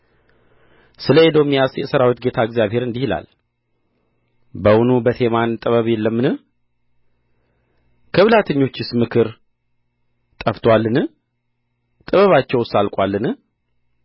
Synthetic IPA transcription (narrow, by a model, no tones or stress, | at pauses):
sɨləed̪o̞mijasjɛsəɾawit̪ɡe̞t̪ʰaɨɡzijaβhe̞ɾɨnd̪ihila̰l | bəwunubət̪ʰe̞mant̪ʼɨβəβjɛlːəmːɨnɨ | kʰəβlat̪ʰəɲːo̞t͡ʃːɪsmɨkʰɨɾ | t̪ʼəft̪ʰwalːɨnɨ | t̪ʼɨβəβat͡ʃːɛwsalkʼwalːɨnɨ